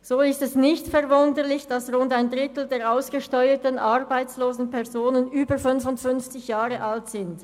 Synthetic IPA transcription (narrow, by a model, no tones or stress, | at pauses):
z̥oːɪstɛsnɪçtfɛʁvʊndəlɪçd̥asʁʊndaɪndʁɪtl̩deːʁaʊsɡ̥əʃtɔʏətənʔaʁbaɪt͡sloːzn̩pʰɛʁzoːnənyːbəfʏnvʊntfʏnft͡sɪçjaːʁəʔaltz̥ɪnt